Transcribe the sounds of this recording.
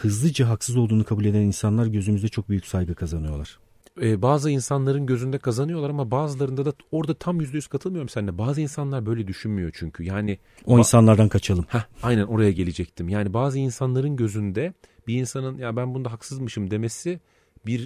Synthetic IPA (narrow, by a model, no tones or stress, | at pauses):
hɯzlˠɯd͡ʒaɦaksɯzo̞lˠd̪uːnukʰabuːlʲe̞d̪æninsanlˠaɾɟø̞zymyzd̪ɛt͡ʃʰo̞k̚byjycsajɡɯkʰazanɯjo̞lˠaɾ̥ | ɛːbaːzɯinsanlˠaɾɯnɟø̞zynd̪ɛkʰazanɯjolˠaɾamabaːzɯlˠaɾɯnd̪ad̪ao̞ɾd̪at̪ʰamjyzd̪ejyz̥kʰat̪ʰɯlˠmɯjo̞umsænːʲɛbaːzɯinsanlˠaɾbø̞jlʲɛd̪yʃynmyjo̞t͡ʃʰyɲcʰyjaːnɪ | oinsanlˠaɾd̪ankʰat͡ʃʰalˠɯmhɛajnæno̞ɾajaɟe̞lʲed͡ʒɛc̚t̪ʰimjaːnibaːzɯinsanlˠaɾɯnɟø̞zynd̪ɛ | biːnsanɯnjabænbund̪aɦaksɯzmɯʃɯmd̪e̞mesɪ | biɾ